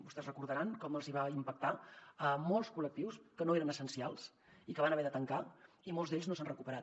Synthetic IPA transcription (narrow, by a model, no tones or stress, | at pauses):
bust̪ɛzrəkuɾðəɾaŋkɔməlˠziβaimpək̚t̪aəmolˠskulək̚t̪iwskənoeɾənəsənsialˠs | ikəβanəβɛðət̪əŋka | imolˠzd̪eʎznos̬anrəkupəɾat̪